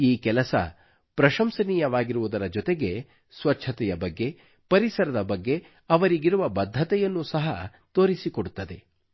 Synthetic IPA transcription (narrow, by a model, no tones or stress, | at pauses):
iːkɛlɐsɐ̰ | pɾɐʃɐmsɐniːjɐʋaːɡiɾuʋud̪ɐɾɐd͡ʒɔt̪e̞ɡe̞ | sʋɐt͡ʃt͡ʃʰɐt̪ɛjɐbɐɡːe̞ | pɐɾisɐɾɐd̪ɐbɐɡːe̞ | ɐʋɐɾiɡiɾuʋɐbɐd̪ʱːɐt̪ɛjɐnːusɐɦɐ | t̪oːɾisikoɽut̪ːɐd̪e̞